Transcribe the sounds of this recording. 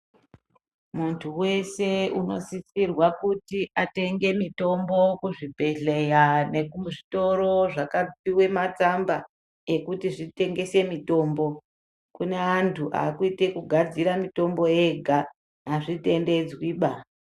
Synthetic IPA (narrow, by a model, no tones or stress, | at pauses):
muntʰuwe̞se̞uno̞sisirwakutiʔate̞ŋɡe̞mito̞mbo̞kuʐibʱe̞ɮe̞jane̞kuʐito̞ɾo̞ʐakapiwe̞mat͡samba | e̞kutiʐite̞ŋɡe̞se̞mito̞ːmbo̞ | kune̞antʰuʔa̰ːkuite̞kuɡʱad͡ziɾamito̞mbo̞e̞ɡʱa | ɦaʐite̞nde̞d͡zwiːɓa